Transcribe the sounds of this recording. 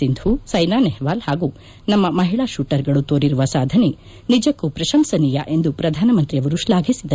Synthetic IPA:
ind̪ʱusɐjnaːneɦʋaːlhaːɡuː | nɐmːɐmɐɦiɭaːʃuːʈɐɾɡɐɭut̪oːɾiɾuʋɐsaːd̪ʱɐne | nid͡ʒɐkːupɾɐʃɐmsɐniːja̰ʔe̞nd̪upɾɐd̪ʱaːnɐmɐnt̪ɾiɐʋɐɾuʃlaːɡʱisid̪ɐ

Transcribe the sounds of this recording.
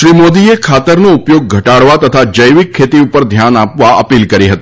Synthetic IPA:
ʃɾimod̪iekʰat̪əɾnoupjoɡ̚ɡʱəʈaɽʋat̪ət̪ʰad͡ʒəjʋikʰːet̪iupəɾd̪ʱjanapʋaəpilkəɾiɦət̪i

